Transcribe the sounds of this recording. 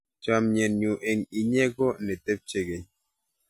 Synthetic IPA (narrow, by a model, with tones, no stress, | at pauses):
t͡ʃa˦mɲe˨nɲu˨ʔe˨ŋi˨ɲe˦ɡo˦nɛ˨te˦p̚t͡ʃe˦ɡe˨ɲ